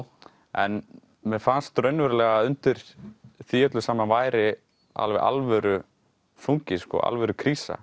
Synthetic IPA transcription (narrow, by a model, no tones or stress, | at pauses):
ɛn | mɛfanst̪ɾœɥnvɛɾlɛɣaʏnt̪ɪɾ̥θiœt̪lʏsaːmavaːjɾɪ | a̰lvɛʔa̰lvɛɾʏ | fuŋcɪskɔ̰ɣa̰lvɛɾʏkʰɾiːsa̰